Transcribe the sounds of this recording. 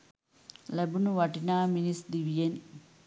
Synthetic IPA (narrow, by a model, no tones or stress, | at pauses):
lɛbunuʋaʈinaːminisd̪iʋijen